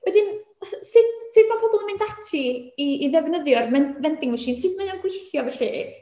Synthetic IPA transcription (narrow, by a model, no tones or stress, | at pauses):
wɛdɪn | sɨdsɨdbapʰɔbɔlˠəmɨndatʰiːiðɛvnəðjʊrmɛnvɛndɪŋwɛʃɪnsɨdməðɔnɡ̥wɪθjɔvɛɬi